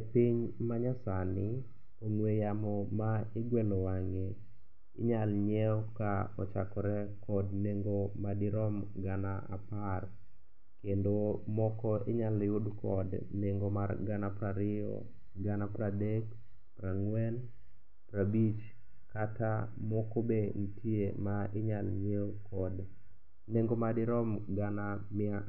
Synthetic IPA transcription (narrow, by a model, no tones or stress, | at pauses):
piɲmaɲasanɪ | oŋwejamɔmaɪɡwɛlowaŋe | ɪ̰ɲalɲɛɔkaɔ̰t͡ʃakɔɾɛkɔdneŋɡomadɪɾɔmɡanaa̰par | kendomɔkɔʔeɲaljʊdkɔdneŋɡomarɡanapɾaɾɪɔ̰ | ɡanapɾadek | pɾaŋwɛn | pɾabit͡ʃ | katamɔkoben̩tʰiemaɪɲalɲewkɔd | neŋɡomadɪɾɔmɡanamɪa